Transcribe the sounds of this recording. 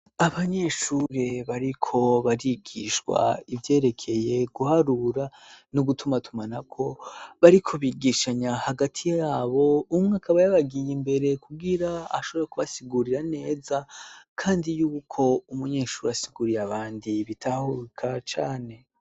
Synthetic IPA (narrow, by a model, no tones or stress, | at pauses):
aβaɲe̞ʃuɾe̞βaɾikʰo̞βaɾiɡiʃwa̰ivje̞ːɾe̞kʰe̞je̞ɡuhaɾuɾa | nuɡutʰumatʰumanakʰo̞βaɾikʰo̞βiːɡiːʃaɲahaɡatʰijaːβo̞umŋaːkaβajaβaɡijimbe̞ɾe̞kuɡiɾaaʃo̞βoɾekuβasiɡuɾiɾane̞ːzakʰaːndijuːkʰo̞umuɲe̞ːʃuːɾeasiɡuɾiaβaːndiβitʰahukʰat͡ʃaːne̞